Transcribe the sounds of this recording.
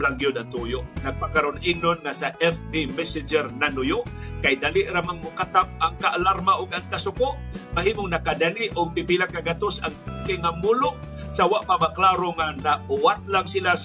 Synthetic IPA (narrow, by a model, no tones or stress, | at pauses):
laŋɡjʊd̪at̪ujʊnaɡ̚pakaɾʊnʔinonŋasaʔɛfpimɛsɪd͡ʒɛɾnanʊjʊʔkajd̪alɪʔɾamaŋmʊkat̪ap̚aŋkaʔalaɾmaʔʊɡaŋkasʊkʊʔmaɦiːmoŋnakad̪aniʔʊɡ̚pɪpilakaɡat̪osaŋpakɪŋamʊlʊʔsawaʔpamaklaɾoŋanabʊwat̪̚laŋsilas